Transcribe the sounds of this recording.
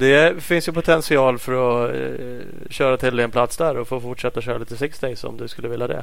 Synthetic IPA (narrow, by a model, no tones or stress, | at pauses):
d̪ɛfɪnsjɵpʰʊt̪ʰɛnsɪɑːlfœɾɔ | ɕœːɾat̪ʰɪld̪ɛɛnpʰlat̪sd̪æɾɔfoːfʊʈʂɛt̪ːaɕœːɾaliːt̪əsɪksd̪ɛsɔ̰md̪ɵskɵlːəvɪlːad̪ɛ̰